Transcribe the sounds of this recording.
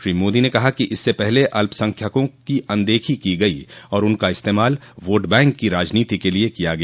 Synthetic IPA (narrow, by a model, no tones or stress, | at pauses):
ʃɾiːmoːd̪inekɐɦakiʔɪsːepɛɦleʔɐlpəsɐ̃ŋkʰjakõkiʔɐ̃nd̪eːkʰikiɡɐiɔːɾʊnkaɪst̪eːmaːl | ʋoːʈbɛ̃ːŋkːiɾaːd͡ʒniːt̪ikeliekijaɡɐa